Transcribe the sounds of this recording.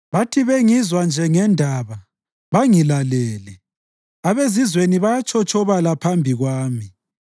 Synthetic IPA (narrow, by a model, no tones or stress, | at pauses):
βatʰiβeŋizwand͡ʒʱɛŋɛndʱaβa | βaŋilalɛːlɛ | aβezizweniβajat͡ʃʰɔt͡ʃʼɔβalapʰambʱiɣwaːmi